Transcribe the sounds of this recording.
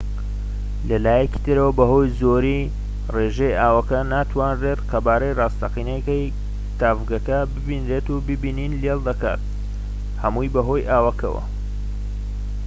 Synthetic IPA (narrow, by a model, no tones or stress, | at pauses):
lɐlaːjɐci̥t̪ʰɨɾɐwɐbɐɦo̞jzoɾi | reʒejaːwɐkɐnaːt̪ʰwaːnret̪qɐbaːɾɐjrɑːst̪ɐqinekɐj | t̪aːvɡɐkɐbɨbinɾet̪ubɨbiːniːnlelˠd̪ɐka̰ːt̪̚ | hɐmujbɐɦo̞jʔaːwɐkʰɐ̰wɐ̰